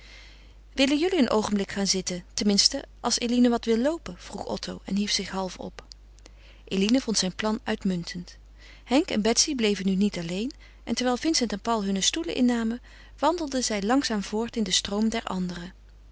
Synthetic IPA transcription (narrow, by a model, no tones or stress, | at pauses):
ʋɪlənjɵliənʔowχənmblɪkχaːnzɪtətɛnmɪnstəʔɑlˠsejlinəʋɑtʋɪlˠlowpəv̥ruχɔ̰tʰowɛ̰nɦifsɪχɦɑlˠfɔ̰p | ʔelinəvɔntsɛjnplɑnʔœɥtmɵntʰənt | hɛŋkɛ̰nbɛtsiblejvənynitɑlejn | ʔɛntɛɹʋɛːlˠvɪnsɛntɛnpɑwlˠɦɵnəstulə̰ʔɪ̰nːaːmə | ʋɑndəl̩ˠdəzɛjlɑŋsaːmv̥ʊːɹtɪndəstrowmdɛɹʔɑ̰ndərə